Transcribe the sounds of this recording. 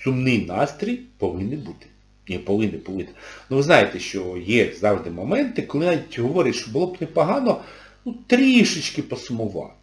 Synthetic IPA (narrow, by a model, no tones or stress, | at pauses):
sʊmnɪjnɑst̪ɾʲijpɔʋɪnːɪbut̪ɪ̥ | nʲipɔʋɪnːɪpɔʋɪnɪ̥nuʋɪznɑjet̪ɛʃt͡ʃɔjɛzɑwʐd̪ɪmɔmɛnt̪ɪkɔlˠɪnɑʋʲitʲɦɔʋɔɾʲɪtʲʃt͡ʃɔbʊlˠɔbnɛpɐɦɑnɔ | nut̪ɾʲiʃɪt͡ʃkɪpɔsʊmʊʋɑ̰t̪